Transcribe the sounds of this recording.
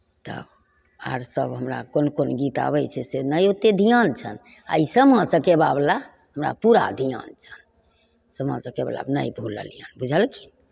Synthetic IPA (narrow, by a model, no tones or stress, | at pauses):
t̪ə̰ | aɾsəbɦəmɾa̰konkonɡit̪a̰bɛjt͡ʃʰɛsenəjot̪ːed̪ʱijant͡ʃʰən | a̰isəmãt͡ʃəkebabla | ɦəmɾa̰puɾa̰d̪ʱija̰nt͡ʃʰən | səmãt͡ʃəkḛbla̰bnə̰jbʱulə̰lija̰nbud͡ʒʱəlkʰi̥n